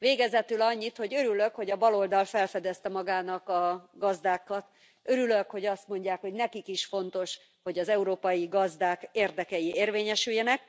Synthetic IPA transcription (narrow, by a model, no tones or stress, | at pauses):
veːɡɛzɛt̪ylɒɲːit̪ho̞ɟøɾyløkho̞ɟɒbɒlo̞ld̪ɒlfɛlfɛd̪ɛst̪ɛmɒɡaːnɒkɒɡɒzd̪aːkɒt̪ | øɾyløkho̞ɟɒst̪mo̞ɲɟaːkho̞ɟnɛkikiʃfo̞nt̪o̞ʃ | ho̞ɟɒzɛuɾoːpɒjiɡɒzd̪aːkeːrd̪ɛkɛjieːrveːɲɛʃyjɛnɛk̚